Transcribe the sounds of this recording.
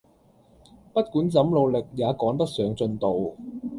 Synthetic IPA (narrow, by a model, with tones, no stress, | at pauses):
pɐ˥t̚kuː˨˥nt͡sɐ˨˥mlo˨˧wlɪ˨k̚jaː˨˥kɔː˨˥ŋp̪ɐ˥t̚sœː˨˧ŋt͡sɵ˧nt̪o˨w